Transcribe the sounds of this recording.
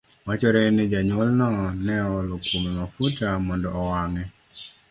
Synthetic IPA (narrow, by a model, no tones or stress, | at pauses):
wat͡ʃɔɾɛnɛd͡ʒaɲwɔlnɔnɛɔlokumemafutamɔndɔːwaŋɛ